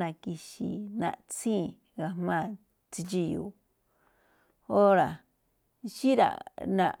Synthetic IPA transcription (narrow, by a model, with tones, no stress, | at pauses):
ã˨˧ki˧ʃi˧nã̰˧ʔt͡sĩː˦˨ | ɣa˧mãː˦˨ | t͡si˧t͡ʃi˧jṵ˧˨ | o˦ɾa˨ | ʃi˦ɾa̰˨nã̰˧